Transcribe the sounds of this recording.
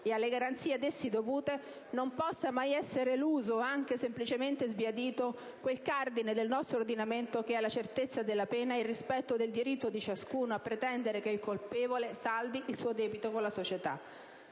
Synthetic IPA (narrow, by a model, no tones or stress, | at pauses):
ealːeɡaɾant̪siːed̪esːid̪ovuːt̪e | nompɔsːamajɛsːeɾeluːzoaŋk̟esemplit͡ʃement̪ezbiad̪iːt̪o | kwelkard̪ined̪elnɔst̪ɾord̪inament̪ok̟ealːat͡ʃert̪et̪sːad̪elːapɛːnailrːispɛt̪ːod̪eld̪iɾit̪ːod̪it͡ʃaskuːnoapːɾet̪ɛnd̪eɾekeilkolpeːvolesald̪iʔilsuːod̪ɛːbit̪okonlasot͡ʃet̪a̰